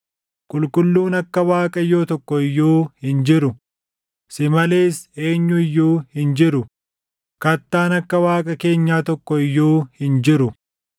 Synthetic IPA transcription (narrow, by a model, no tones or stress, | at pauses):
kʼʊlkʼʊlːuːnɐkːɐwaːkʼɐjoːt̪ɔkːɔɪjːuːhɪnd͡ʒɪɾʊ | sɪmɐleːse̞ːɲːʊɪjːuːhɪnd͡ʒɪɾʊ | kɐt̪ːaːnɐkːɐwaːkʼɐke̞ːɲːaːt̪ɔkːɔɪjːuːhɪnd͡ʒɪɾʊ